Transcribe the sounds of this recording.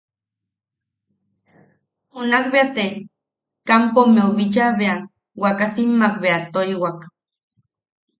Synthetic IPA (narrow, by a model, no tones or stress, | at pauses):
unak̚beat̪e | kampomeoβit͡ʃaβea | wakasimːakbeat̪oiwak